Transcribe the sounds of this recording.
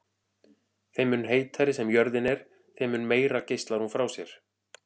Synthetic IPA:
θejmʏnɦeːjt̪θaɾɪsɛmjœɾðɪnɛɾ̥ | θejmʏnːmeːjɾacejst̪laɾhunfɾawsjɛɾ̥

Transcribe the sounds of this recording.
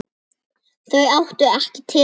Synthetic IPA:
θœɥawht̪ʏɛhcɪt̪ʰɪ

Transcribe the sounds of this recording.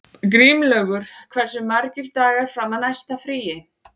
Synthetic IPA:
kɾiːmlœːɣʏɾ̥kʰvɛr̥sʏmːaɾcɪɾt̪aːɣaɾ̥fɾamaðnajst̪afɾiːjɪ

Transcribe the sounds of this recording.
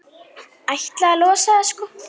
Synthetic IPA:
ajht̪lalɔːsaðaskɔ

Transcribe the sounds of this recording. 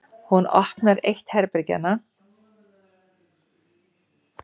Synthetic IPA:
hunɔ̰hknaɾejht̪hɛɾpɾɪca̰nːa

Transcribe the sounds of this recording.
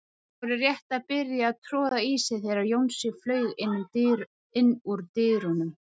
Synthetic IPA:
ɔɾɪrjɛht̪aðpɪɾjaːðt̪ʰɾɔːðaiːsɪθjɛɾaɾjownsɪɣflœːɥɣɪnːʏm | ɪnːuɾt̪ɪːðɾʏnʏm

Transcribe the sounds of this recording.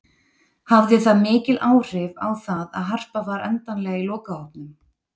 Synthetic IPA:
havðɪθaðmɪːcɪlʔaːwr̥ɪva̰wθaða̰ðɦar̥pavaɾɛ̰nt̪anlɛːɣailɔːkaɔpnʏm

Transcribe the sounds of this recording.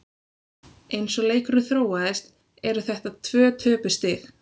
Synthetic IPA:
ejnsɔleːjkʏɾʏθɾoːwaðɪst̪ | ɛɾʏθɛht̪at̪ʰvœːt̪ʰœːpʏst̪ɪx

